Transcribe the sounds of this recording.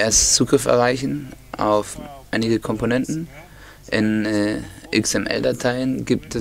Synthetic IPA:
eɐst͡suːɡʁɪftɛ̰ɐʁaɪçn̩ | ʔa̰ʊfʔaɪnɪɡəkʰɔmponɛntn̩ | ʔɪnɛʔɪksɛmʔɛ̰ldatʰaɪənɡiːp̚tɛ

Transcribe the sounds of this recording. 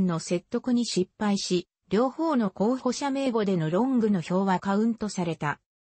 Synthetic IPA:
nːo̞se̞t̪ːo̞kɯ̟ɲ̟iɕipːaiɕi | ɾʲo̞ːho̞ːno̞ko̞ːçho̞ɕame̞ːɡo̞d̪e̞no̞ɾõ̞ŋɡɯ̟no̞ço̞ːβakaɯ̟̃nt̪o̞saɾe̞t̪a

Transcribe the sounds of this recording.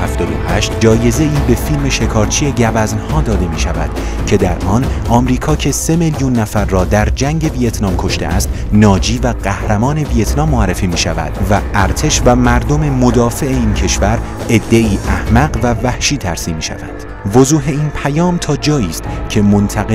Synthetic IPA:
hæft̪ɒːd̪o̰hæʃt̪̚d͡ʒɒːje̞ze̞iːbe̞filme̞ʃe̞kʰɒːɾt͡ʃʰieɟævæznhɒːd̪ɒːd̪e̞miːʃævæ̰d̪̥ | cʰe̞d̪æɾʔɒːnʔɒːmɾiːkʰɒːcʰe̞se̞meljunːæfæɾːɒːd̪æɾd͡ʒæŋɟe̞vijet̪ʰnɒːmkʰo̞ʃt̪e̞̰ʔæ̰st̪ | nɒːd͡ʒiːvæɢæhɾæmɒːne̞vijet̪ʰnɒːmːoærːefiːmiːʃævæ̰d̪̥væʔæɾt̪ʰe̞ʃvæmæɾd̪o̞me̞mo̞d̪ɒːfe̞eiːncʰe̞ʃvæɾ | e̞d̪ːe̞iːʔæhmæɢvævæhʃiːt̪ʰæɾsiːmːiːʃæ̰væ̰nd̪̥ | vozuːɦe̞iːnpʰæjɒːmt̪ʰɒːd͡ʒɒːjiːst̪cʰe̞mo̞nt̪ʰæɣe

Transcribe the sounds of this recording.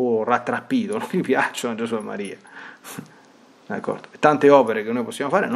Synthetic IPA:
orat̪ːɾapːiːt̪onõnjipjat͡ʃoad͡ʒesuemːa̰ɾiːa | d̪akʰːɔ̰rd̪o̥et̪ːant̪eɔːpeɾekenːojposːjaːmofaːɾḛn

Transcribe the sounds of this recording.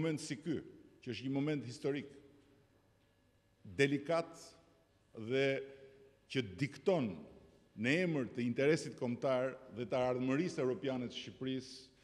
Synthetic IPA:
mɛnt̪sikycəəʃɲəmɔmɛnt̪hist̪ɔɾik | d̪ɛlikat̪ | ðɛ | cəd̪ikt̪ɔnː | əɛməɾt̪əint̪ɛɾɛsit̪kɔmt̪aɾðɛt̪əːɾðməɾisɛvɾɔpjanɛt̪əʃcipɾis

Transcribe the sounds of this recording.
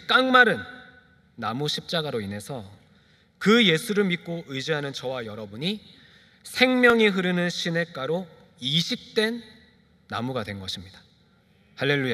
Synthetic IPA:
k͈aŋmaɾɯnː | amuɕʰip̚t͡ɕ͈aɡaɾoine̞sʰʌ | kɯje̞sʰuɾɯɭmit̚k͈oʔɯd͡ʑiɦanɯnt͡ɕʌwajʌɾʌbuɲi | sʰe̞ŋmjʌŋiɦɯɾɯnɯnɕʰine̞k͈aɾo | iɕʰik̚t͈e̞nː | a̰muɡadwe̞nɡʌɕʰimɲid̥ḁ | haɭːe̞ɭːuja

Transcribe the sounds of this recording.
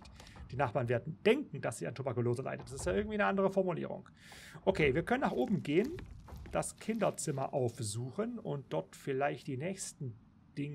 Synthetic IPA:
d̥iːnaχb̥aːʁnveːɐdn̩d̥ɛŋkŋ̩d̥asz̥iːantʰubakuloːzəla̰ɪtəntd̥asɪstjaːʔɪɐɡŋ̩tviːnəʔandəʁ̞əfɔɐmulḭːʁ̞ʊ̰ŋ | ʔokʰeːviːɐkʰœnənaːχʔoːbm̩ɡeːənd̥askʰɪndɐt͡sɪmɐ̰ʔaʊfzuːxənʊnt̚d̥ɔɐtfɪlaɪçtd̥iːnɛːçstn̩ | d̥ɪŋ

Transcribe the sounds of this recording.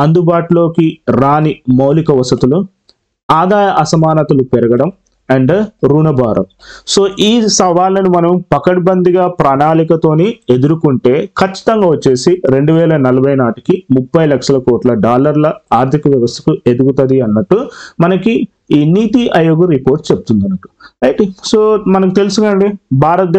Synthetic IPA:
ɐnd̪ubaːʈulo̞ːkiɾaːnimɐwlikɐʋɐsɐt̪ulu | aːd̪aːjɐʔɐsɐmaːnɐt̪ɐlupɛɾɐɡɐɽɐm | ɐɳɖɾuːnɐbʱaːɾʔɐ̰mso̞ːʔiːsɐʋaːlːɐnimɐnɐmpɐkɐʈbɐnd̪iɡaːpɾaːnaːlikɐt̪o̞ːnied̪uɾukuɳʈe̞ːkʰɐt͡ʃːi̥t̪ɐŋɡaːʋot͡ʃːe̞ːsiɾe̞ɳɖuʋɛːlɐnɐlɐbʱɐjnaːʈi̥kimupːɐjlɐkʂɐlɐkɔːʈlɐɖaːlɐɾlɐaːɾt̪ʰikɐʋjɐʋɐst̪ʰɐ̥kued̪uɡut̪ɐd̪iɐnːɐʈːumɐnɐki | iːniːt̪iʔɐjoɡuɾipo̞ːɾʈt͡ʃep̚ut̪und̪ɐnːɐʈːu̥ɐjʈisoːmɐnɐkut̪e̞lusunɐɳɖibʱaːɾɐt̪d̪

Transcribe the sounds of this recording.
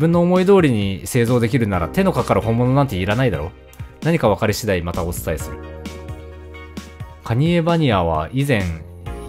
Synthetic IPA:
bɯ̟̃nːo̞ːmo̞id̪o̞ːɾʲiɲ̟ise̞ːzo̞ːd̪e̞kʲiɾɯ̟naɾa̰t̪e̞no̞kakaɾɯ̟hõ̞mːo̞no̞nãnt̪eiɾanaid̪aɾo̞ | naɲ̟ikaβ̞akaɾʲiɕid̪aimat̪ao̞t͡sɨ̥saisɨɾɯ̟ | kʰaɲ̟ie̞baɲ̟iaβ̞a̰izẽ̞ŋ

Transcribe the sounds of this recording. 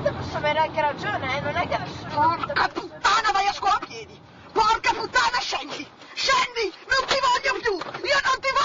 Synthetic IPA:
t̪epɔsːaveɾeaŋkeɾad͡ʒoːneɛnːʊnɛɡaspɔrkapːut̪ːaːnavajaskwɔːapjɛːd̪i | pɔrkaput̪ːaːnaʃɛnd̪i | ʃɛnd̪inʊnt̪ivɔʎːopjuiːonont̪iv

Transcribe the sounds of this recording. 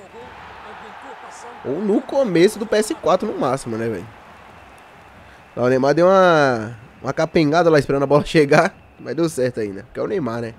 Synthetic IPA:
ownʊkõmesʊd̪ʊpeɛsɪkwat̪ɾʊnʊmasimʊnɛvɛ̰l | nã̰ʊnẽj̃mad̪ewũɐ | ũɐkapẽŋɡad̪ɐlaispeɾɐ̃nɐbɔlɐʃeɡa | mazd̪ewsɛɾt̪ʊaĩnd̪ɐpʊkɛ̰ʊnẽjmanɛ

